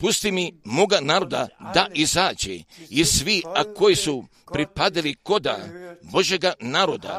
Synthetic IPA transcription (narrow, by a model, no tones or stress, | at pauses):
pust̪imimoɡanaːɾo̞d̪ad̪aʔizaːd͡ʑḛisʋiako̞jisu | pɾipad̪iliko̞d̪a̰bo̞ʒjeɡanaːɾod̪a̰